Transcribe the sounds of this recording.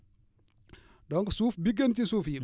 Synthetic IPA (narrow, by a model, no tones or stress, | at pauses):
dɔŋksuːfbiɡɐntisuːfji